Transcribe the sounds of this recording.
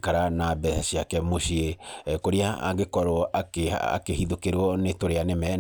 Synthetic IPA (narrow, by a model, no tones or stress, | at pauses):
kaɾanabɛaɕiakɛmoɕiekoɾia̰a̰ŋɡekɔɾɔʔakea̰a̰kehiðokeɾwɔnetoɾeanemɛ